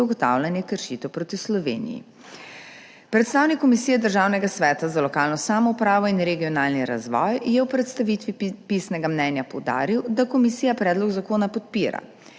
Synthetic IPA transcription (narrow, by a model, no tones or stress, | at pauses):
uɡɔt̪a̰wlanjɛkəɾʃit̪ɛwpɾoːt̪islɔʋḛːnḭjḭ | pɾɛt̪st̪aːwnikːɔmisijɛd̪əɾʒaːwnɛɡasʋɛːt̪azalɔkaːlnɔsaːmɔupɾaːʋɔinɾɛɡiɔnaːlniɾa̰zʋɔ̰jjɛwpɾɛt̪st̪aʋit̪ʋipisnɛɡamnɛnjapɔwd̪a̰ːɾiwd̪akɔmisiːjapɾɛːd̪lɔɡzakoːnapɔt̪̚piːɾa̰